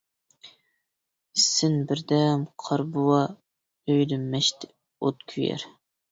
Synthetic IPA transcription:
sːɪnbɪɾd̪ɛmqʰɑɾbuwɑ | øjlɪmːɛʃt̪ɪ | ot̪kʲʰyjɛ̰ɾ

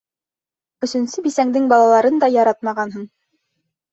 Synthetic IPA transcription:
ɵ̆sɵ̆nsɘbisæŋd̪ɘŋbɑlˠɑlˠɑɾɤnd̪ɑjɑɾɑt̪̚mɑʁɑnɦɤɴ

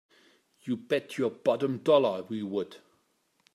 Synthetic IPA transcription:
jɨbɛtʰəbɒɾə̃mdɔlə˞wiwəd̥

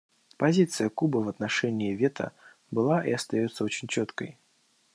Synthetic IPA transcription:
pazʲit̪sɨjəkubɐvɐt̪naʂɛnʲiːvʲɛt̪ʰə̰ | bɨlˠaʔḭɐst̪ajut̪sːəot͡ɕʲɪnʲt͡ɕɔt̪kə̰j

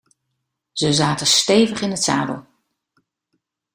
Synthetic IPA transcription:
z̥əzaːtəstejvəχɪnətsa̰ːdə̰lˠ

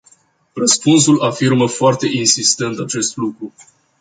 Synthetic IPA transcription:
rəspunsulafirməfoart̪e̞ʔinsist̪e̞nt̪at͡ʃe̞st̪lukɾu

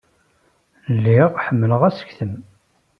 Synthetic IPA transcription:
lːiʁħəmːələʁæsə̥kθəm

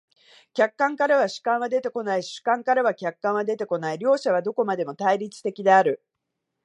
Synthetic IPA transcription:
kʲakːãŋkaɾaβ̞aɕɨ̥kãɰ̃βad̪e̞t̪e̞ko̞naiɕɨ̥kãŋkaɾaβ̞akʲakːãɰ̃β̞ad̪e̞t̪e̞ko̞naiɾʲo̞ːɕaβ̞ad̪o̞ko̞mad̪e̞mo̞t̪aiɾʲit͡sɨ̥t̪e̞kʲid̪e̞aɾɯ̟

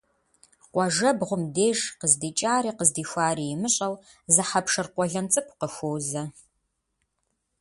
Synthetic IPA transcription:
qʷʼɔʒɐbʁʷʊmdeːʒqəzdiːt͡ʃʼaːɾiːqəzdiːxʷaːɾijɪmɨɕʼɐl | zɨħapʂɨrqʷɔɮɐnt͡sʼɨpʷʰʼqəxʷowzɐ

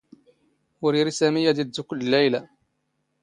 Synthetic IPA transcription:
wʊɾiɾisæmijːad̪id̪ːukʊlːlæjla

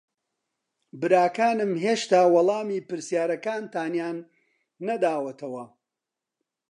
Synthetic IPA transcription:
bɨɾaːkaːnɨmɦeːʃt̪aːwɑlˠɑːmiːpɨɾsijaːɾɐkaːnt̪aːnjaːnː | ɐd̪aːwɐt̪ʰɐwɐ

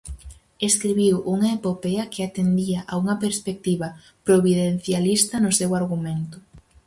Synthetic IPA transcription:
eskɾiβiwʔuŋɐepopɛɐkɪat̪end̪iɐʔauŋɐpeɾspek̚t̪iβɐ | pɾoβiðen̟θjalist̪ɐnʊsewaɾɣ̞ument̪ʊ

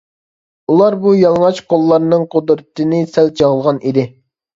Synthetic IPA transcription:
ulˠɑɾbujɑlˠŋɑt͡ʃqʰolˠːɑɾnɨŋqʰod̪ɾɨt̪ʰɨnɨsɛlt͡ʃʰɑʁəlˠʁɑnʔid̪ɪ

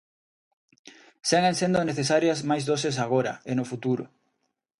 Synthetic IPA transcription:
seŋensend̪ʊneθes̬aɾjɐsmajzðoses̬aɣ̞oɾɐ̰enʊfut̪uɾʊ̰

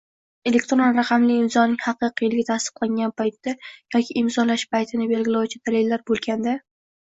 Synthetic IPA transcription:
e̞lek̚ʲt̪ɾonɾaqʰɑmlɪːmzɒnɪŋhɑqɨqʰɨjlɪɡʲat̪ʰast̪ɨ̥qlˠaŋɡʲanpʰajt̪ːajɒkʲʰiʔːmzɒlaʃpajt̪ʰɪnɪbe̞lɡʲɪlawt͡ʃʰɪd̪alelːaɾbolˠɡʲand̪a

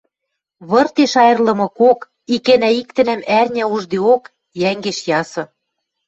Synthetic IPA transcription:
βɤ̆rt̪eʃɑjɤ̆rlɤ̆mɤ̆kok | ikĕnæik̚t̪ɘ̆næmærnʲæuʒd̪eok | jæŋɡeʃjɑsɤ̆

